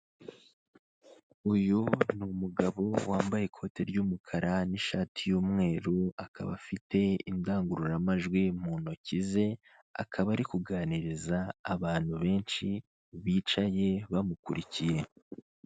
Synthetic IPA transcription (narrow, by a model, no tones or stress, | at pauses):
ujunumuɡaβo̞waːmbajekʰo̞ːte̞ɾɟuːmukʰaɾaniʃatʰijuːmŋe̞ːɾuakʰa̰βa̰fitʰe̞ḭndaːŋɡuɾuɾamaʒɡwimuːno̞cize̞ | a̰kʰaβaɾikuɡaːniɾizaːβaːn̥huβe̞ːnʃi | βiːt͡ʃaje̞βamukuɾicije̞